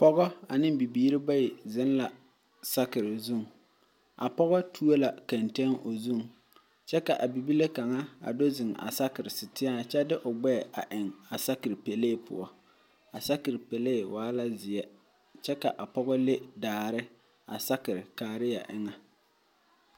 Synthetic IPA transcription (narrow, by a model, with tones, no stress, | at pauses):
pɔ˦ɣɔ˦a̰˨nɪ˦bi˨biː˦ɾɪ˦ba˦jɪ˨zɪ˦nla˨ | sa˦kɪ˨ɾɪ˨zu˦˨ŋ | a̰˨pɔ˦ɣɔ˦tʰu˦o˦la˨ka˨nte˦ŋo˨zu˦˨ŋ | t͡ʃɛ˦ka˨ʔa˨bi˨bi˦le˦ka˨ŋa˦a̰˨do˦zɪ˨ŋa̰˨sa˦kɪ˨ɾɪ˨sɪ˨tɪ˦a˦t͡ʃɛ˦dɪ˦ʔʊ˨ɡ͡bɛ˦˨a˨ʔɪ˨ŋa˨sa˦kɪ˨ɾpe˨leː˦˨pʰʊ̰˨ɔ˨ | a˨sa˦kɪ˨ɾpe˨leː˦˨waː˦la˦zɪ˨ɛ˦ | t͡ʃɛ˦ka˨ʔa˨pɔ˦ɣɔ˦le˦daː˨ɾɪ˦ | a̰˨sa˦kɪ˨ɾɪ˨kaː˨ɾɪ˦ja̰˨ʔɪ˦ŋa˨